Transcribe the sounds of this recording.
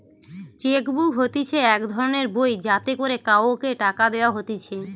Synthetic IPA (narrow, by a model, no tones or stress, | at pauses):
t͡ɕekbuɦot̪it͡ɕʰeɛkd̪ʱɔɾoneɾbojd͡ʑat̪ekoɾekaookeʈakad̪eoaɦot̪it͡ɕʰe